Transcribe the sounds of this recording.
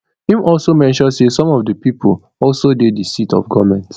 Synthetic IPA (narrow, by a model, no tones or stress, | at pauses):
hĩmɔlsomɛ̃nʃɔ̃ndsesɔ̃mɔfdəpipʰo̰ | ɔlsodedəsitɔ̰fɡɔmɛ̃nt